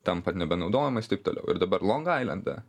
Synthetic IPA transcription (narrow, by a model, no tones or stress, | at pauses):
t̪ɐmpɐt̪nʲɛbʲɛnɒʊd̪oːjɛmɐst̪ɐɪp̚t̪oːlʲɛ̰ʊɪ̰ɾd̪ɐbɐɾlˠoːŋɡɐɪlʲˠɐ̰nd̪ɐ̰